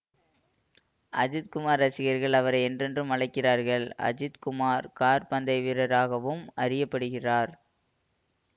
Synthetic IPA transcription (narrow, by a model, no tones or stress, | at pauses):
ʔɐd͡ʒɪt̪̚kʊmaːɾɐsɪɣɐɾɣɐɭɐʋɐɾɐɪɛndrɛndrɯmɐɭɐɪkːɪraːɾɣɐɭɐ̰d͡ʒɪt̪kʊmaːɾkaːɾpɐnd̪ɐɪʋɪɾɐɾaːɣɐʋɯmɐrɪjɐpːɐɽɯɣɪraːɾ